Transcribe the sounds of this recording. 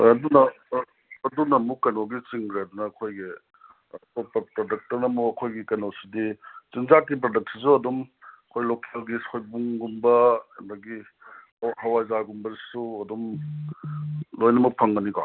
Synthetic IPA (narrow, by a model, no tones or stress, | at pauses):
ɐdunɐː | dunɐmukːɐnoɡit͡ʃiŋɡɾeɐdunɐːkʰojɡi | pɔpɐpɾodɐk̚tɐnɐmuɐkʰojɡikɐnowsidizinzat̚ɡip̬ɾodɐk̚sis̬uɐdumɐkʰojlokʰalɡisojbuŋɡumbɐɐndɐɡi | hɐwazaɡumbɐzisuɐdum | lojnɐmɐpʰɐŋɡɐnika̰